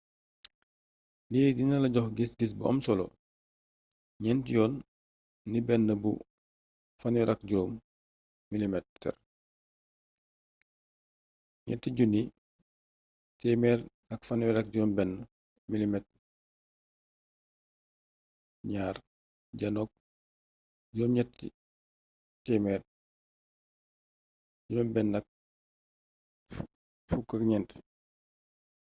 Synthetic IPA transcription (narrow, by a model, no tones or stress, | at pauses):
liːdinɐlɐɟɔxɡisɡis̬buɐ̰msɔlo̰ | ɲɛntjɔːnː | ibɛnːəbṵ | fɐnwɛɾʔɐk̚ɟuɾoːm | milimɛtːɛ̰r | ɲɛ̰ntiɟuni | tɛmɛːɾ | ɐkfɐnwɛɾɐk̚ɟunɔmbɛnː | milimɛt̚ | ɲaːr | ɟɐnɔk̚ | d͡ʒɔːmɲɛtːi | tɛmɛːr | ɟunɔmbɛnːɐk̚ | fukːɐkɲɛnt